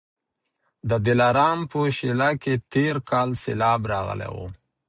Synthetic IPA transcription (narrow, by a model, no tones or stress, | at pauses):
d̪əd̪ɪlaɾɑmpəʃilaket̪eɾkʰɑlselɑbɾɑɣə̰lḛwo̰